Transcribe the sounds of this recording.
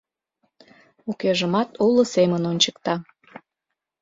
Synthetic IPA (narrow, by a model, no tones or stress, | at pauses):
ukeʒəmɑt̪ulŏsemənonʲt͡ɕə̥kt̪ɑ